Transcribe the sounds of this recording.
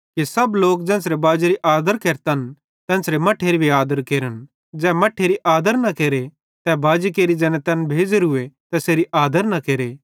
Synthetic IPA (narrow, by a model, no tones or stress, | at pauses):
kisɐbloːk̚d͡ʒɛ̃ːnsɾebaːd͡ʒeɾiʔaːd̪əɾkeːɾt̪ɐn | t̪ɛ̃ːnsɾemɐʈʰeːɾibʱiaːd̪əɾkeːɾən | d͡ʒɛːmɐʈʰːeːɾiʔaːd̪əɾnɐkeːɾe | t̪ɛbaːd͡ʒikeːɾid͡ʒɛːnɛ̃t̪ɛnbʱeːd͡ʒɾɦʊet̪ɛseːɾiʔaːd̪əɾnɐkeːɾe